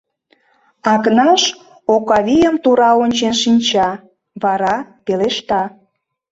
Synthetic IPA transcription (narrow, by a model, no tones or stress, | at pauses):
ɑknɑʃ | okɑβʲijəmt̪uɾɑonʲt͡ɕenʃinʲt͡ɕɑ | βɑɾɑpeleʃt̪ɑ